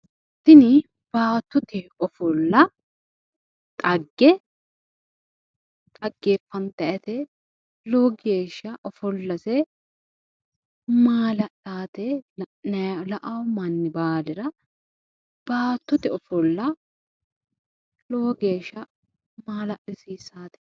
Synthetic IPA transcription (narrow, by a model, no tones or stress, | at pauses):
t̪ːɪnɪ | b̥aːt̪ːʊt̪ɛɔfɔlːɐ | t̪ʼɐɡːɛ | t̪ʼɐɡːeːfːɐnt̪ɐʔɐt̪ɛ | loːɡe̞ːʃːɐʔɔfɔlːɐsɛ | maːlɐɗaːt̪ɛnɐlɐʔɐwmɐnːɪbaːlɪɾɐ | b̥aːt̪ːʊt̪ɛɔfɔlːɐ | loːɡeːʃːɐ | maːlɐʔɪsiːsaːt̪ɛ̥